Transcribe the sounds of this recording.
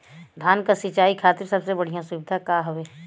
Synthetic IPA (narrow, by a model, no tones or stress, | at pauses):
d̪ʱaːnkasit͡ʃaːikʰaːt̪ɪɾsɐbsebɐɽ̤ijãsʊbɪd̪ʱakaːɦoʋeː